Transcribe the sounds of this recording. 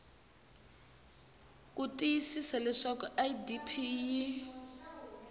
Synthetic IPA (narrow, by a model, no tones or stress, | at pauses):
k̬ʼutʼijisisɛlɛʂɔkɔʔajdipʰiːji